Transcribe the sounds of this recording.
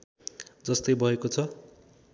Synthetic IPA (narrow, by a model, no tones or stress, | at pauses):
d͡zʌst̪ʌjbʱʌekot͡sʰʌ